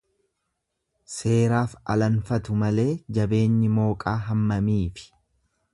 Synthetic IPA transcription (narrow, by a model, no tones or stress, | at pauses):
se̞ːɾaːfɐ̰lɐnfɐt̪ʊmɐle̞ːd͡ʒɐbe̞ːɲːɪmo̞ːkʼaːɦɐmːɐmiːfɪ̥